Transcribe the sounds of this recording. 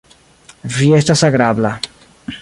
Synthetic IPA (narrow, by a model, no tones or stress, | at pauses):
vjɛst̪asaɡɾabla